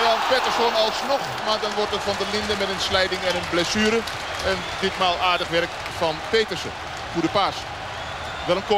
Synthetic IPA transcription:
ɛlpetərsɔnɔlˠsnɔx | madɔnʋɔrtətfɔndəlɪndəmɛtənslɛjdɪŋɛnonblɛsyːɾə | ɛn | dɪtmaːlˠaːrdəxʋɛrk | fɔnpeːtərsə̰ | fudəpas | ʋɛlˠənko

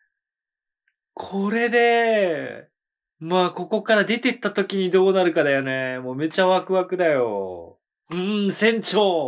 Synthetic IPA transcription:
kʰo̞ɾe̞d̪e̞ | maːko̞ko̞kaɾad̪e̞t̪e̞t̪ːat̪o̞kʲiɲ̟id̪o̞ːnaɾɯ̟kad̪ajanemoːme̞t͡ɕaβakɯ̟βakɯ̟d̪ajo̞̰ | ɯ̟̃sẽ̞ɲt͡ɕoː

